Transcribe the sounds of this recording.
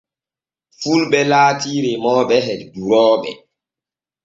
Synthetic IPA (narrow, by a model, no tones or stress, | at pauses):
fulɓɛlaːtiːɾemɔːɓɛɦɛdduɾɔːɓɛ̰